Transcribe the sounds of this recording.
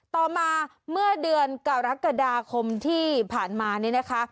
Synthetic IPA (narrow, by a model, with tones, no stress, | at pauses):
t̪ɔː˨˩maː˧ | mɯ˥˩ɐədɯ˧ənka˨˩ɾa˦˥ka˧daː˧kʰo˧mt̪ʰiː˥˩pʰaː˨˩nmaː˧ni˥˩na˦˥kʰa˦˥ʔ